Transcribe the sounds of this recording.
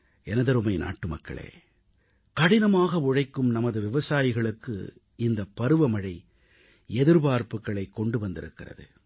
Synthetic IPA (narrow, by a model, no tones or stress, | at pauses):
ɛnɐðɐɾɯmɐɪnʔa̰ːʈːɯmɐ̰kːɐ̰ɭḛː | kɐɽɪnɐmaːɣɐʊɻɐɪkːɯmnɐmɐðɯʋɪʋɐsaːjɪɣɐɭɯkːɯ̰ | ɪnd̪ɐpːɐɾɯʋɐmɐɻɐɪ | ɛðɯɾbaːɾpɯkːɐɭɐɪkːɔɳɖɯʋɐnd̪ɪɾɯkːɪrɐ̰ðɯ̰